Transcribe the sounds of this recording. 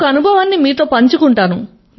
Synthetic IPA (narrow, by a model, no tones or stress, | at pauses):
ɐnubʱɐʋaːnːimiːt̪o̞ːpɐɲt͡ʃukuɳʈaːnu | m